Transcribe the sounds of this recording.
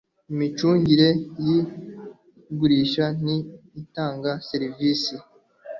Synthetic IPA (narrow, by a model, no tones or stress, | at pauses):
imit͡ʃuːɲɟiɾe̞ji | ɡuɾiːʃaniːtaːŋɡase̞ɾiviːsi